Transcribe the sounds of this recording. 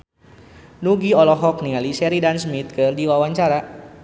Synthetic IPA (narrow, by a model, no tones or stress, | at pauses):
nuɡiɔlɔɦɔk̚niŋalisɛɾidansmit̪̚kɨrdiwawaɲt͡ʃaɾa